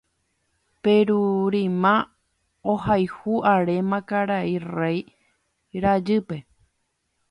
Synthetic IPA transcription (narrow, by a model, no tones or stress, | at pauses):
pe̞ɾuɾĩmã | ohajhuaɾemãkaɾairej | ɾad͡ʒɨpe̞